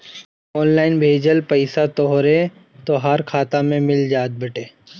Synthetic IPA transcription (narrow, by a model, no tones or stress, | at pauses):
ɔːnlaːɪnbʱeːd͡ʒəlpɐɪsat̪oɦɾe | t̪oɦaɾkʰaːt̪amẽmɪld͡ʒaːd̪̚bɐʈeː